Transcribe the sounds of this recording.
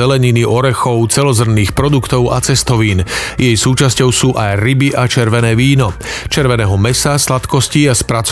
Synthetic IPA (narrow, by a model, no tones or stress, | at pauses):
ɛlɛɲiniʔɔɾɛxɔʊt͡sɛlɔzr̩niːxpɾɔd̪ukt̪ɔʊʔa̰t͡sɛst̪ɔʋiːnjɛjsuːt͡ʃascɔʊsuːʔajɾibiʔat͡ʃɛɾʋɛnɛːʋiːnɔt͡ʃɛɾʋɛnɛːɦɔmɛsaslat̪kɔsciaspɾat͡s